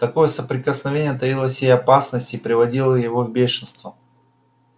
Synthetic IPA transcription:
t̪ɐko̞jəsəpɾʲɪkəsnɐvʲenʲɪjət̪ɐjilˠəsʲjejɐpasnəsʲtʲipɾʲɪvɐdʲilˠəjɪvovbʲeʂɨnst̪və

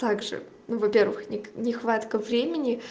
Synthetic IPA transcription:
t̪aɡʐɨ̰ | nuvɐpʲe̞rvɨ̰xnʲɪnʲɪxvat̪kəvɾʲemʲɪnʲɪ

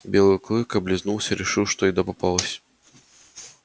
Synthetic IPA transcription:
bʲelˠɨklˠɨkɐblʲɪznulˠsʲəɾʲɪʂɨwʂt̪ɔid̪ɐpɐpalˠəsʲ

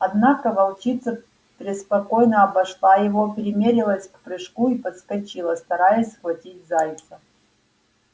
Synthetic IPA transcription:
ɐd̪nakəvɐlˠt͡ʃit̪sɐ | pʲɾʲɪspɐkojnəːbɐʂlˠajɪvopʲɪɾʲɪmʲeɾʲɪlˠəsʲkpɾɨʂkuipət̪skɐt͡ɕilˠəst̪ɐɾajəsʲxvɐtʲitʲzajʲt̪sə

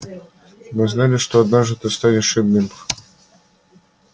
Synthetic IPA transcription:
mɨznalʲɪʂt̪oɐd̪naʐd̪ɨt̪ɨst̪anʲɪʂɨd̪nɨm

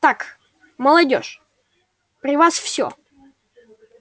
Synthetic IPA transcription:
t̪ak | məlˠɐdʲoʂ | pɾʲɪvasfsʲo̰

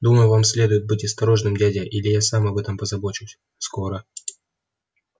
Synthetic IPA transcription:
d̪uməjʊvamsʲlʲe̞d̪ʊjɪd̪̚bɨtʲɐst̪ɐɾo̞ʐnɨmdʲædʲɪʔilʲɪjasamɐbɛt̪əmpəzɐbo̞t͡ɕʊsʲ | sko̞ɾə

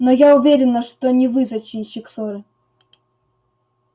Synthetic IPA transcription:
nojaʊvʲeɾʲɪnəʂt̪onʲɪvɨzɐt͡ɕɪnʲɕɪksoɾɨ

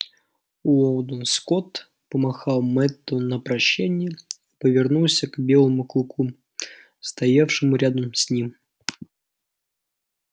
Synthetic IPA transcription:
uolˠd̪ənskot̪ | pəmɐxɑlˠmɛt̪ːənəpɾɐɕːænʲɪjəipəvʲɪrnulˠsʲəkbʲelˠəmuklˠʊkʰu | st̪ɐjafʂɨmʊɾʲad̪əmsʲnʲim

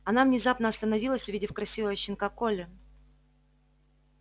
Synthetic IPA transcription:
ɐnavnʲɪzapnəɐst̪ənɐvʲilˠəsʲʊvʲidʲɪfkɾɐsʲivəjəɕɪnkakolʲɪ

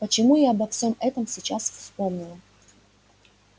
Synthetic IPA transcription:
pət͡ɕɪmujaɐbɐfsʲo̞mɛt̪əmsʲɪt͡ɕasfspo̞mnʲɪlˠə

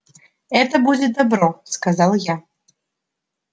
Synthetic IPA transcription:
ɛt̪ɐbud͡zʲɪd̪abɾɔskazalˠja

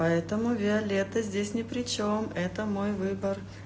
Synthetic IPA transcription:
ɐɛt̪əmʊvʲɪɐlʲet̪əzʲdʲesʲnʲɪpɾʲɪt͡ɕo̞mɛt̪əmo̞jvɨbər

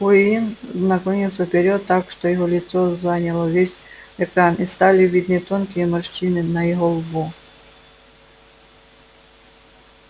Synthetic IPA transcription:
xʊinznɐkɔmʲilˠsʲəfpʲeɾʲɔt̪ːakʂt̪ɔjɪɦɔlʲɪt̪sɔzanʲɐlˠɔvʲesʲɛkɾanist̪alʲɪvʲid̪nɨt̪onkʲijəmɐʂt͡ʃinɨnɐjɪɦɔlˠbu

